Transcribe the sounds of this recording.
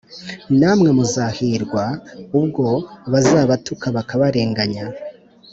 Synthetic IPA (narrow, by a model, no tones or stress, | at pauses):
naːmŋe̞muzaːhiːɾɡwaub̚ɡo̞aβazaːβatukʰaβakaβaɾe̞ːŋɡaɲa